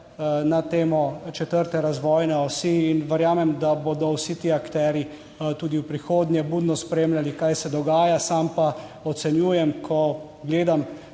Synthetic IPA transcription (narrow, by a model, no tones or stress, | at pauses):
nat̪eːmɔt͡ʃɛt̪əɾt̪ɛɾazʋɔːjnɛɔsiːnʋɛɾjaːmɛmd̪aboːd̪ɔwsit̪iːakt̪ɛːɾji | t̪uːd̪iwpɾixoːd̪njɛbud̪nɔspɾeːmlʲjalikajsɛd̪ɔɡaːjasampaɔt̪sɛnjuːjɛmkʰɔ | ɡleːd̪am